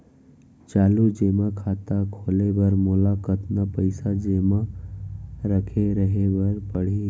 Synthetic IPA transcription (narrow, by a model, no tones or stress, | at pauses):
t͡ʃaːlud͡ʒeːmakʰaːt̪akʰoːlebəɾmʊlakət̪napəɪsad͡ʒeːma | ɾəkʰeɾəɦebəɾpəɽ̤i